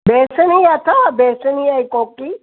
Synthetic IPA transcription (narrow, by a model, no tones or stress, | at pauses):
beːsəniat̪ʰabeːsnijajkoːki